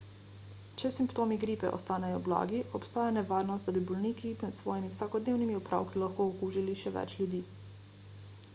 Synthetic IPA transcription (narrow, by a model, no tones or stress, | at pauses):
t͡ʃɛsimpt̪oːmiɡɾiːpɛ̰ʔɔ̰st̪aːnɛjɔbla̰ːɡiʔɔpst̪aːjanɛʋaːɾnɔst̪̚d̪abibɔlnikinɛt̪sʋɔːjimiwsakɔd̪neːwnimiupɾʔa̰ːwkilaxkoɔkuːʒiliʃɛʋɛ̰t͡ʃlʲjud̪iː